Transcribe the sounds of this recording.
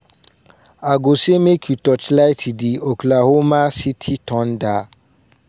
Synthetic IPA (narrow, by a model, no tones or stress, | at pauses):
aɡosemekʰutɔt͡ʃlajtʰidioklahomãsitʰitʰɔ̃nda